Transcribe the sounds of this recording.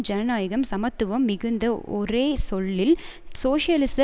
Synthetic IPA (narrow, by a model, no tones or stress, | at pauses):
d͡ʒɐnɐnaːjɐɣɐmsɐmɐt̪ːɯʋɐmːɪɣɯnd̪ɐɔɾeːsɔɭːɪl | soːʂɪjɐlɪsɐ